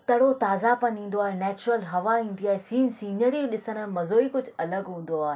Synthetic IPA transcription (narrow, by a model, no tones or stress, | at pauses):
t̪ɐɽot̪aːzapɐ̃nĩːn̆d̪oaːɦenɛːt͡ɕʊɾəlɦɐʋaĩːn̆d̪iaːɦesĩːnsĩːnəɾĩɗɪsəɽ̃mɐzoːikʊd͡ʑʱʊɐləɡɦũːn̆d̪oaːɦe